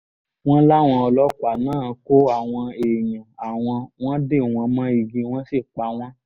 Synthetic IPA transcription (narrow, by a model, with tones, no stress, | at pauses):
w̃ɔ̃˦la˦˨w̃ɔ̃˧ɔ˧lɔ˦kʷa˨nãː˦˨˧ko˦a˨w̃ɔ̃˧e˨jã˨a˨w̃ɔ̃˧w̃ɔ̃˦de˦˨w̃ɔ̃˧mã˦i˧ɡĩ˧˦w̃ɔ̃˦si˦˨k͡pa˧˦w̃ɔ̃˦